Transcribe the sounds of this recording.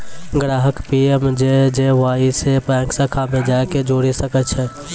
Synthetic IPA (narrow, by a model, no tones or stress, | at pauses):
ɡɾaːɦəkpiːemd͡ʒed͡ʒeʋaːisepɛ̃ːksəkʰamẽd͡ʒaːeked͡ʒoːɽisəkət̪ʃʰɛː